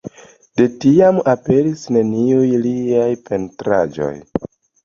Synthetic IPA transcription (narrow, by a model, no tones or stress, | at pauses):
d̥e̞tiamape̞ɾisne̞niujliajpe̞ntɾa̰d͡ʒo̞̰j